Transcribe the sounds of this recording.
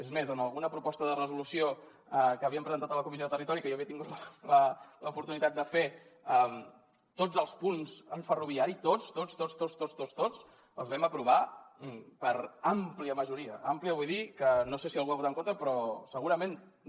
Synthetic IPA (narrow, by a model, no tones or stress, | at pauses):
ezmezəməlˠɣunəpɾupɔst̪əðərəzulusio | əkəːβiəmpɾəzənt̪at̪ələkumiioðət̪ərit̪ɔɾikəjoəβiət̪iŋɡut̪lələləupuɾt̪unit̪at̪̚d̪əfeəm | t̪od͡zəlˠspunzəɱfəruβ̞iaɾit̪ot͡st̪ot͡st̪ost̪ost̪ost̪ost̪od͡z | ə̰lˠzβɛməpɾuβ̞a | pəɾampliəməʒuɾiəampliəβujðikənosesiəlˠɣuaβut̪əŋkont̪ɾəpɾɔsəɣuɾəmen